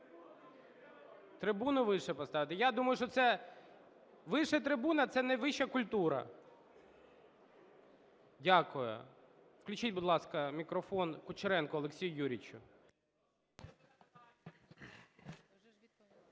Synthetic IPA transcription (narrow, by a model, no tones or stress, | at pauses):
t̪ɾɪbunʊʋɪʃɛpɔst̪ɑʋɪt̪ɪjad̪umɐjʊʃt͡ʃɔt̪sɛ | ʋɪʃɛt̪ɾɪbunɐt̪sɛnɛʋɪʃɐkʊlʲt̪uɾɐ̰ | dʲakʊjʊ̰ | wklʲʊt͡ʃitʲbʊd̪lˠɑskɐmʲikɾɔfɔnkʊt͡ʃɪɾɛnkʊɔlˠeksʲijʊjuɾʲit͡ʃʲʊ